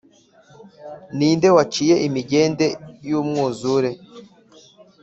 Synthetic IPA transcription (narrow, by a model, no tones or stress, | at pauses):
niːnde̞wat͡ʃiːje̞ʔimiɟe̞ːnde̞juːmŋuːzuɾe̞